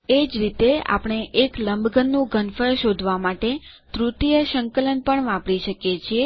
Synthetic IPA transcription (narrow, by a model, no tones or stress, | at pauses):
ed͡ʒɾit̪ea̰pəɳ̃eʔekləmbʱɡənːũɡʱənfəɾʃod̪ʱʋamaʈe | t̪ɾut̪ijəʃəŋkələnpəɳʋãpɽiʃəkjet͡ʃʰie